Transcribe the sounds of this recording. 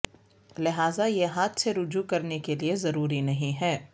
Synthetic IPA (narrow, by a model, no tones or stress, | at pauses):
lɪɦaːzajeɦaːt̪seɾʊd͡ʒukɐɾnekeliezɐɾuːɾinɐɦĩɦɛː